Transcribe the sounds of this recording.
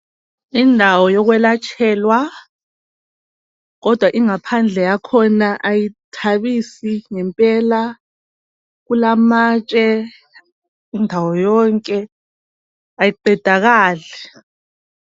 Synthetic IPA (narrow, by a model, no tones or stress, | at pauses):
indʱawɔjɔɣwɛlat͡ʃʰʼɛːlwa | ɣɔd̥ʱwaʔiŋapʰand͡ɮʱɛjakʰɔnaʔajitʰaβisiŋɛmpʼɛla | ɣulamaːt͡ʃʼɛ | indʱawɔjɔŋkʼɛ | ajiǃɛd̥ʱaɣaːlɛ